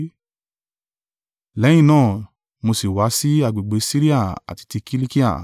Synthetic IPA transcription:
lɛ˨˦j̃ĩ˦˨nãː˦˨ | mo˧si˨wa˨˦si˦a˧˨ɡ͡be˨ɡ͡be˨˦si˦ɾi˦a˦˨a̰˨ti̥˧ti˧ki˦li˦ki˦a̰˨

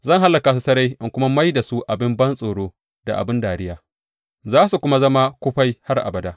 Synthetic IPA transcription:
zɐ˦˨ŋɦa˦lːɐ˨ka˨s̬u˨sɐ˦ɾa˦jʔɪ˦ŋkʷʊ˦ma˦ma˦jda˨su˦ʔa˨bɪ˦mbɐ˦nsʼoː˨ɽoː˦ | d̥a˨ʔa̰˨bɪ˦ndaː˨ɾɪ˦jaː˨ | zaː˦su˨kʷʊ˦ma˦zɐ˦ma˦kʷʊ˦ɸa˦jha˦rʔa̰˨bɐ˨daː˦ʔ

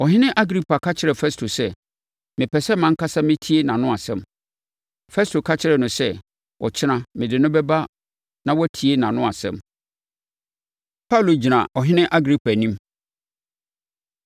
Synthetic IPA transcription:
ɔ˨ɦɪ̃˦nɪ̃˦ʔa˦ɡɾi˦pʰa˨kʰa˦t͡ɕʰɪ˨ɾɛ˨fɛ˦stʰo˨sɛ˦ | mɪ̃˨pʰɛ˨sɛ˦mã˦ŋ̩˦ka˦sa˦mɪ̃˦tʰi˦e˦nã˨nʊ̃˦a˨sɛ̰̃˦˨m | fɛ˦stʰo˨kʰa˦t͡ɕʰɪ˦ɾɛ˨nʊ̃˨sɛ˦ | wʔɔ̰˨t͡ɕʰɪ˦nã˨mɪ̃˨dɪ˨nʊ̃˦bɛ˦ba˦ | nã˨wɔ˦tʰi˨e˦nã˨nʊ̃˦a˨sɛ̰̃˦˨m | pʰa˦u˨lo˨d͡ʑi˨nã˨ɔ˨ɦɪ̃˦nɪ̃˦ʔa˦ɡɾi˦pʰa˨nĩ˦m

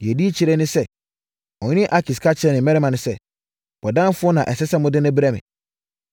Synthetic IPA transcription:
jɛ˨di˦t͡ɕʰi˨ɾɛ˦nɪ̃˦sɛ˦ | ɔ̃˨ɲ˦nɪ̃˦ʔa˨kʰɪ˨skʰa˦t͡ɕʰɪ˨ɾɛ˦nɪ̃˨mɛ˦ɾɛ˦mã˨nʊ̃˨sɛ˦˨ | b̥ɔ˨dã˦m˦fʊ˦ɔ˦nã˨ʔɛ˨sɛ˦sɛ˦mʊ̃˦dɪ̃˦nʊ̃˦bɾa˦mɪ̰̃˨

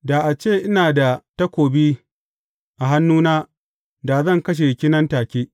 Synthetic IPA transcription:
da˨ʔa˨t͡ʃeː˦˨ʔɪ˦naː˨da˨tɐ˦kʷoː˨bi˦ | ʔa˨ɦa˦nːuː˦naː˦ | da˨zɐ˦˨ŋkɐ˦ʃ̬e˨kʲɪ˦nɐ˦ntaː˨kʲeː˦ʔ

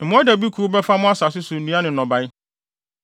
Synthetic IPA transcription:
m̩˨mʊ̃˦a˦dæ˨bi˦kʰu˨ɾu˦bɛ˦fa˦mʊ̃˦a˦sa˨sʊ˦su˨n̩˨nĩ˦ã˦nɪ̃˨nɔ̃˨ba˨j

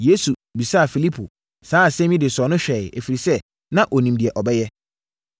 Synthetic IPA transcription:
je˦su˨bi˨sa˦a˨fi˨li˦pʰṵ˨ | saː˨˦˨sɛ̃˦mĩ˦dɪ˨sɔ˨˦nʊ̃˦ɕᶣɛ˨æ˨fi˨ɾi˨sɛ˦ | nã˦ʔɔ˨nĩ˨mdi˨ɛ˨ʔɔ˨bɛ˦jɛ˦

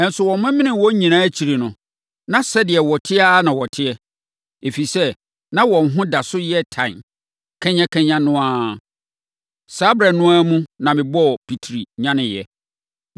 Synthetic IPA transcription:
ɛ˨n̩˨sʊ˨wɔ̃˨mmɪ̃˦mɪ̃˦nɪ̃˨wɔ̃˦ɲĩ˨nãː˦æ˦t͡ɕʰi˨ɾe˨nʊ̃˨ | nã˦sɛ˦dɪ˨ɛ˨wɔ˨tʰɪ˦a˦nã˨wɔ˨tʰɪ˦ɛ˦ | e˨fi˨sɛ˦ | nã˦wɔ̃˨nɦʊ̃˦da˨sʊ˦jɛ˦tʰã˨ | kʰɛ̃˦ɲã˦kʰɛ̃˦ɲã˦nʊ̃˦a˦ | sa˦bɾa˨nʊ̃˦a˦mũ˦nã˨mɪ̃˨bɔ˦˨pʰi˨tʰɾi˨ɲã˦nɪ̃˨jɛ˨

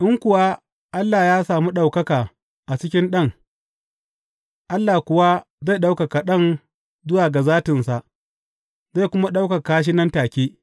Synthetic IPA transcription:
ʔɪ˦ŋkʷʊ˨wa˦ | ʔa˦lːaː˨jaː˦saː˨mu˦ɗa˨wkɐ˦kaː˨ | ʔa˨t͡ʃɪ˦kʲɪ˦nɗɐ˦ŋ | ʔa˦lːaː˨kʷʊ˨wa˦ | za˦˨ɗa˦wka˨ka˨ɗɐ˦n | zʊ˦waː˨ɡa˨zaː˦tɪ˨nsa˨ʔ | za˦˨kʷʊ˦ma˦ɗa˦wka˨kaː˦ʃ̬i˦nɐ˦ntaː˨kʲeː˦

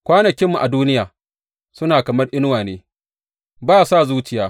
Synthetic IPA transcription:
kʷaː˦nɐ˨kʲɪ˦mːu˨ʔa˨duː˦nɪ˦jaː˨ | sʊ˦naː˨kɐ˨mɐ˦rʔɪ˦n˦waː˨neː˦ | baː˦˨saː˦˨zuː˦t͡ʃɪ˨jaː˦

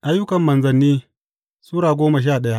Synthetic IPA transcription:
ʔa˦jːʊ˦kɐ˨mːɐ˨nzɐ˨nːiː˦ | suː˦ɾaː˨ɡʷoː˦ma˨ʃ̬aː˦˨ɗɐ˦ja˦ʔ

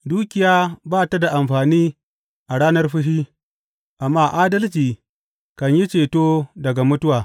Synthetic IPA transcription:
duː˦kʲɪ˨jaː˦baː˦˨ta˦da˨ʔa˨mɸaː˨niː˦ | ʔa˨ɽaː˦nɐ˦rɸʊ˦ɦiː˦ | ʔa˨mːaː˦ʔaː˦dɐ˦lt͡ʃiː˨ | kɐ˨ɲji˦t͡ʃeː˨toː˦dɐ˨ɡa˨mʊ˦tʊ˦waː˨

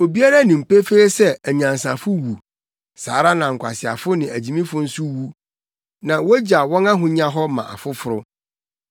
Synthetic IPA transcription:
o˨bi˦a˦ɾa˦nĩ˨m̩˨pe˦fe˦e˦sɛ˦˨ɲã˨n˨sã˨fʊ˦wu˨ | sa̰ː˨ɾa˦nã˨ŋ̩˨kʷʰa̰˨sɪ˨a̰˨fʊ˦nɪ̃˨æ˨d͡ʑi˨mĩ˦fʊ̃˦n̩˦sʊ˦wu˦ | nã˨wɔ˦d͡ʑa˨wɔ̃˦nã˦ɦʊ̃˦ɲã˦ɦɔ˦mã̰˨ʔa̰˨fʊ˦fʊ˦ɾʊ˦

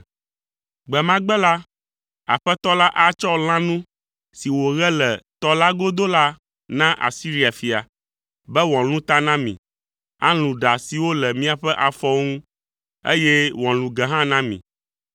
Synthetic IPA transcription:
ɡ͡bɛ˨mã˦ɡ͡bɛ˦la˦ | a̰˨ɸɛ˦t̪ɔ˦la˦ʔa˦t͡ʃɔ˦l̃ã˦nũ˦ | si˨wo˨ɣɛ˦lɛ˨t̪ɔ˦la˦ɡo˦d̪o˦la˦ | nã˦ʔa̰˨si˦ɾi˨a˨fi˨a˨ | bɛ˦wɔ̃˨lũ˦t̪a˦nã˦mḭ̃˨ | a̰˦lũ˨ɖa˨si˨wo˦lɛ˨mĩ˦a˨ɸɛ˦ʔa˨fɔ˦ŋũ˦ | ḛ˦jɛ˦wɔ̃˨lũ˨ɡɛ˨ɦã˦nã˦mḭ̃˨

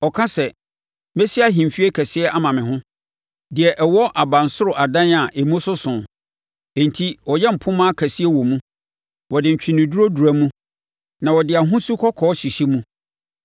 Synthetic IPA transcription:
ɔ˨kʰa˦sɛ˨ | mɛ˦si˦a˦ɦĩ˨m˨fi˦e˦kʰæ˨sɪ˦ɛ˦ʔa˦mã˨mɪ̃˨ɦʊ̃˦ | dɪ˨ɛ˨ʔɛ˨wɔ˦ʔa˨bã˨n˨sʊ˦ɾʊ˨ʔa˨dã˦na˨ʔe˨mũ˦sʊ˦sʊ̃˨ | ɛ̃˨n˨tʰi˦wɔ˨jɛ˦m̩˨pʰʊ̃˦mã˦kʰæ˨si˦ɛ˦wɔ˨mũ˦ | wɔ˨dɪ̃˨ɲ̩˨t͡ɕᶣɪ̃˨nɪ̃˨du˦ɾo˦du˨ɾæ˨˦mũ˦ | nã˨wɔ˨dɪ˨a˨ɦʊ̃˦su˦kʰɔ˦kʰɔː˨˦ɕi˨ɕi˦mũ˦

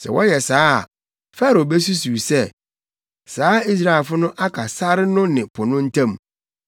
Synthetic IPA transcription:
sɛ̰˨wɔ˦jɛ˨saː˦a̰˨ | fa˦ɾo˨bɛ˦s̬u˦su˨sɛ˦ | saː˨˦i˦s̬ɾa˨fʊ˦nʊ̃˦ʔa˦kʰa˨sa˦ɾɪ˦nʊ̃˦nɪ̃˨pʰʊ˨nʊ̃˦n̩˦tʰã˦˨m

